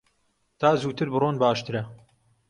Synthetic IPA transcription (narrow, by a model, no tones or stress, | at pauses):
t̪ʰaːzuːt̪ʰɨɾbɨroːnbaːʃt̪ɨɾɐ